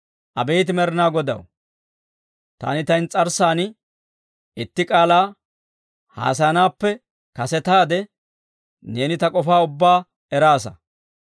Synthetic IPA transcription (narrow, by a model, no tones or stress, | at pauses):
ʔɐbejt̪̬ɪmɛɾɪnaːɡɔd̪ɐ̰w | t̪a̰ːnɪt̪ɐjnt͡sʼɐɾsaːn | ɪt̪ːɪkʼaːlaː | ha̰ːsɐnaːpːɛ | kɐsɛt̪aːd̪ɛ | ne̞ːnɪt̪ɐkʼɔfaːʊbːaː | ɛɾaːsɐ